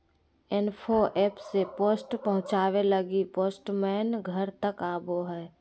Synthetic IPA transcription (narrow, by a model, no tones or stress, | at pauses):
enpʰoʔɛːpsepoːsʈpəɦʊ̃t͡ʃaːweləɡipoːsʈmɛːnɡʱəɾt̪əkaːboɦɛː